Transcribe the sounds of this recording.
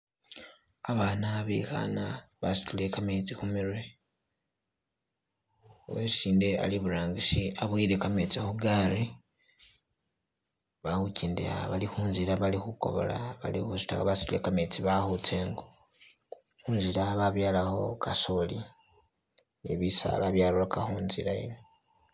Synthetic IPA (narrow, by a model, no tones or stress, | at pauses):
aβaːnaβḭxa̰naβasi̥tule̞kamet͡sixumiɾwe̞ | oweiːndea̰liβuɾaːŋɡiʃiaβwiːɾe̞kamet͡sihuɡaɾi | βahuciːndḛa̰βalixuːnziɾaβalixuko̞̰βo̰la̰βa̰lixusi̥taβasi̥tule̞̰kamet͡siβaxut͡se̞ːŋɡo | huːnzilaβaβjaːlaho̞̰kʰasoli | neβisa̰laβjalolokaxuːnzḭɾaḭne